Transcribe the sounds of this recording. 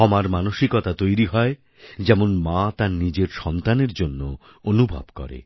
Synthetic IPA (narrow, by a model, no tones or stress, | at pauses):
ɔmaɾmanoʃikɔt̪at̪ojɾiɦɔe | d͡ʑɛmonmat̪aɾnid͡ʑeɾʃɔnt̪aneɾd͡ʑonːo | onubʱa̰bkɔ̰ɾḛ